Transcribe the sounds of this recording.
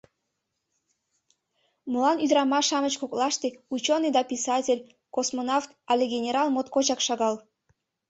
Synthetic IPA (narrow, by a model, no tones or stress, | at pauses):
məlɑnyd̪ɾɑmɑʃɑmət͡ɕkoklɑʃt̪eut͡ɕonːɨjd̪ɑpʲisɑtʲelʲ | kosmonɑft̪ɑlʲeɡʲenʲeɾɑlˠmot̪kot͡ɕɑkʃɑɣɑl